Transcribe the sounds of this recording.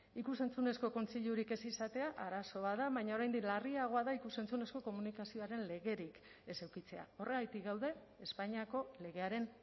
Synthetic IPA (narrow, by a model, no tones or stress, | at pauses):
ikuse̞nt͡sune̞sko̞ko̞nt͡siʎuɾike̞sisat̪e̞aʔaɾaso̞βaðaβajɲao̞ɾajnd̪ilariaɣ̞o̞aðaikuse̞nt͡sune̞sko̞ko̞munikasio̞aɾe̞nle̞ɣe̞ɾik | e̞sewkit͡se̞a̰o̞re̞ɣajt̪ikɡawð̞e̞ː | spaɲiako̞le̞ɣ̞e̞aɾe̞n